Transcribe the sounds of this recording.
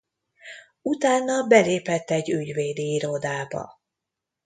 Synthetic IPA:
ut̪aːnːɒbɛleːpɛt̪ːɛɟːyɟveːd̪iiɾod̪aːbɒ̰

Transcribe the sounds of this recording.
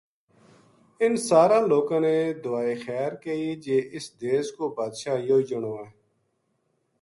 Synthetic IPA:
ɪnsaːɾãːloːkãːneːd̪ʊʋaːiːxɛːɾkəiːd͡ʒeːʔɪsd̪eːskoːbaːd̪ʃaːjoːd͡ʒəɳoːɛ̃ː

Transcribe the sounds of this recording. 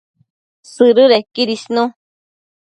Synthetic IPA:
sɨɾɨɾekiɾisnũ

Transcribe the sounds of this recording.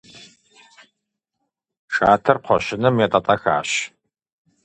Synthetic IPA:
ʂaːtʰɨrqʷʰɔʃɪnɨmjatʼatʼaxa̰ːɕ

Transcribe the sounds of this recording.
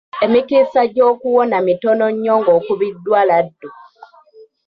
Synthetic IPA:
emikisaɟo̞ːkuwonamitonoɲːoːŋɡoːkuβidːwaːladːu

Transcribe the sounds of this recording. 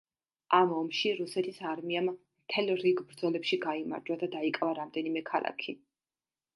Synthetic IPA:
amɔmʃiɾusɛt̪ʰisaɾmiammt̪ʰɛlˠɾiɡbɾd̪zɔlɛpʃiɡaima̰ɾd͡ʒwad̪ad̪aikʼvaɾamd̪ɛnimɛkʰa̰lˠa̰kʰi

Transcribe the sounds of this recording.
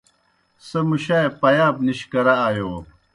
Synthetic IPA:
sɐmuɕajpɐjaːbniɕkɐɾaːjoː

